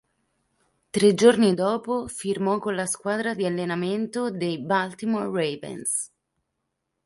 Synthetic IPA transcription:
t̪ɾed͡ʒornid̪ɔːpofirmɔkːonlaskwaːd̪ɾad̪ialːenament̪od̪ejbalt̪imorːevɛ̰ns

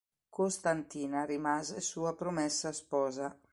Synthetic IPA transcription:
kost̪ant̪iːnaɾimazɛsuːapɾomɛsːaspɔːza

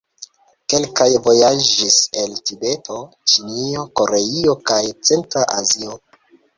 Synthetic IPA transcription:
ke̞lkajvo̞jad͡ʒise̞ltibe̞tʰo̞ | t͡ʃinio̞ko̞ɾeio̞kajt͡se̞ntɾaʔazio

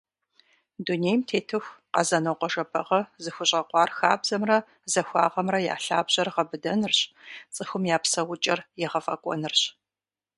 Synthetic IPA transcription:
duneːjmtʰeːtʰɨxʷqɐzɐnɐwqʷɔʒɐpʰɐ̰ʁɐzɨxʷʊɕʼɐqʷɑːrxaːbzɐmrɐ | zɐxʷɑ̰ːʁɐmrɐja̰ːɬa̰ːbʑɐrʁɐbɨdɐnɨrɕt͡sʼɨxʷʊmjaːpsɐwʊt͡ʃʼɐrjɛʁɐfɐ̰kʷʼɔ̰nɨrɕ

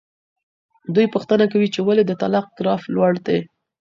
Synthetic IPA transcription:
d̪ujpuxt̪ənakawit͡ʃewaled̪ət̪alaq̚ɡɾɑflwaɽd̪e

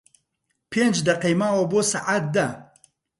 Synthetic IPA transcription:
pʰend͡ʒd̪ɐqejmaːwɐbosa̰ʔat̪̚d̪a

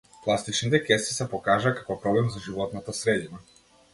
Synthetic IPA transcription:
plˠast̪it͡ʃnit̪ɛkɛst̪i̥sapokaʒakḁkopɾɔblɛmzaʒiʋot̪nat̪asɾed̪ina

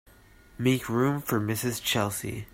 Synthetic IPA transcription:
meɪkʰɹũɱfə˞mɪsɨz̥t͡ʃʰɛlˠsḭ

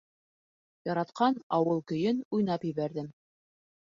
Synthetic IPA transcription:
jɑɾɑt̪qɑnɑwɤlˠkɵ̆jɘnujnɑpjɘ̆βæɾðɘm

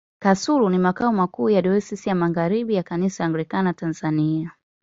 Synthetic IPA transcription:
kasuɾunimakaɔmakuːjaɗɔisisijamaɣaɾiɓijakanisaaŋɡlikanatanzania

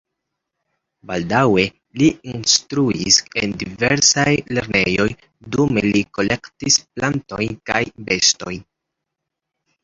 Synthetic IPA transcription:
baldawe̞ | liinstɾuise̞ndiveɾsajle̞ɾnejo̞j | dume̞̰liko̞le̞ktisplanto̞jnkajbe̞sto̞jn

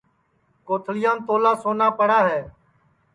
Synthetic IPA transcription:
koːt̪ʰlɪjãːnt̪oːlaːsoːnaːpəɽaːɦɛː

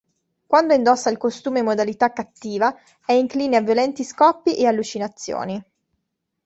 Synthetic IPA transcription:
kwand̪oind̪ɔsːailkost̪uːmemod̪alit̪akːat̪ːiːva | ɛiŋkliːneavːjolɛnt̪iskɔpːiʔealːut͡ʃinat̪sːjo̰ːni

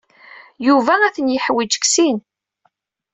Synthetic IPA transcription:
juvææθənjəħwid͡ʒə̥ksin

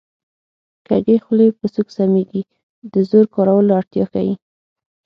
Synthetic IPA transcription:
kaɡexlepəsuksameɡi | d̪əzoɾkɑɾawəloaɽt̪jɑ̰xa̰wi

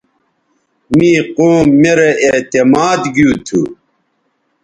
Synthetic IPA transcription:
miːqoːmːeɾeet̪emaːd̪ɡjuːt̪ʰṵ

